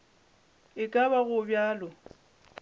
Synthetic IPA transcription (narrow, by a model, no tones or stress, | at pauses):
ɪkʼaβaɣʊbjaːlɔ